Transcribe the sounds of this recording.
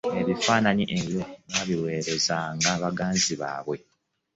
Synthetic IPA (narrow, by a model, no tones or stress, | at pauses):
eβifaːnaɲiʔeβjonaːβiwe̞ːɾe̞zaŋɡaβaɡaːnziβa̰ːβwe̞